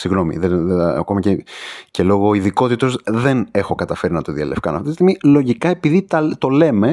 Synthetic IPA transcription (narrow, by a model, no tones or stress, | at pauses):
siɣno̞mḭðenɐ̰ko̞mɐcece̞lo̞ɣo̞iðiko̞t̪it̪o̞zðe̞ne̞xo̞kɐt̪ɐfe̞ɾinɐt̪oðiɐ̰lefkɐnɐfit̪ist̪imilo̞ʝikɐe̞piðit̪ɐt̪o̞le̞me̞